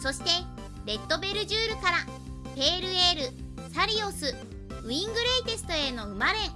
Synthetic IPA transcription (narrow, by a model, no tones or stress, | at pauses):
so̞ɕi̥t̪e̞ | ɾe̞t̪ːo̞be̞ɾɯ̟ʑɨːɾɯ̟kaɾa | pe̞ːɾɯ̟e̞ːɾɯ̟ | saɾʲio̞sɨ | ɯ̟ĩŋɡɯ̟ɾe̞it̪e̞sɨ̥t̪o̞e̞no̞ɯ̟maɾẽ̞ŋ